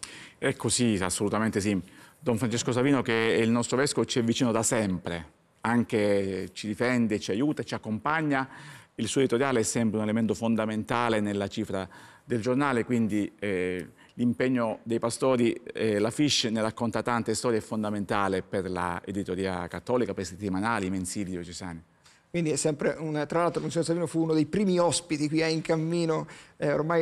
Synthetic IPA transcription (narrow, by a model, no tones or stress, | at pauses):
ɛkʰːosiasːolut̪ament̪es̬id̪ɔɱfɾant͡ʃeskosaviːnokeilnɔst̪ɾovɛskovot͡ʃiɛvːit͡ʃiːnod̪asɛmpɾe | aŋk̟et͡ʃid̪ifɛnd̪et͡ʃiajuːt̪at͡ʃiakːompaɲːailsuoed̪it̪oɾjaːleɛsːɛmpɾeunelement̪ofond̪ament̪aːlenelːat͡ʃiːfɾa | d̪eld͡ʒornaːlekwind̪iɛ | limpeɲːod̪ejpast̪ɔːɾiɛlafiʃːnerakːont̪at̪ant̪est̪ɔːɾjeɛfːond̪ament̪aːleperla̰ḛd̪it̪oɾiːa̰kat̪ːɔːlikapeɾset̪ːimanaːlimensiːlid̪jɔt͡ʃesa̰ːni | kwind̪iɛsːɛmpɾeunt̪ɾalalt̪ɾomuns̬ons̬aviːnofuunod̪ejpɾiːmiɔspit̪ikwiɛiŋkamːiːnoɛormaj